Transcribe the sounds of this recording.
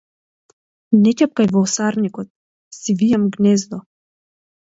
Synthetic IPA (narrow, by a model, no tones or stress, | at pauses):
nɛcɛp̚kajvɔːsaɾnikɔt̪̚ | sivijamɡnɛzd̪ɔ